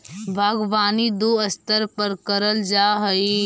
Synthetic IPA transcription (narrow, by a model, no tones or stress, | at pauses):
bʱaːɡʋaːnid̪oːɐst̪əɾpəɾkɐɾəld͡ʒaːɦɐi